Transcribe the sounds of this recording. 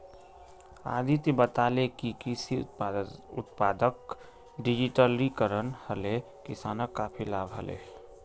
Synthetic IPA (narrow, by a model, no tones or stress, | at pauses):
a̰ːd̪ʱit̪bət̪alekikisi | ʊt̪paːd̪ək | ɖid͡ʒiʈəlikəɾənhəle | kɪsaːnəkːapʰilaːbɦə̰lḛ